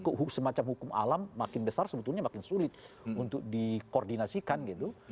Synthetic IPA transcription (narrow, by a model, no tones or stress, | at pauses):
kuɦusəmat͡ʃamhukʊma̰lamːakɪnbəsarsəbət̪ulɲamakɪnsulɪt̪̚ | unt̪ʊk̚dikordinasikanɡit̪u